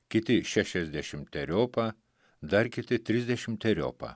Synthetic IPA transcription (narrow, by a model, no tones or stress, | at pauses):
kʲɪt̪ʲɪʃʲæʃʲɛzʲd̪ʲæʃʲɪmt̪ʲɛɾʲoːpɐ | d̪ɐɾkʲɪt̪ʲɪt̪ʲɾʲɪzʲd̪ʲɛʃʲɪmt̪ʲɛɾʲo̰ːpɐ̰